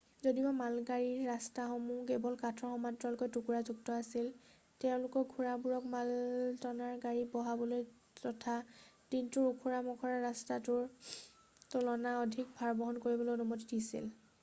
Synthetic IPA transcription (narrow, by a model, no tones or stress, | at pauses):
zodibamalɡaɹiɹːastaxɔmukebɔlkatʰɹɔxɔmadɹɔlkɔjtukuɹazuk̚tɔasil | tɛʊ̃lʊkɔkɡʱuɹabuɹɔkmaltɔnaɹɡaɹibɔɦabɔloj | ɔtʰad̥intʊɹukʰuɹamɔkʰɔɹaɹastatʊɹ | tɔlɔnaɔdʱik̚bʱaɹbɔɦɔnkoɹibɔlojɔnumɔtidisḭl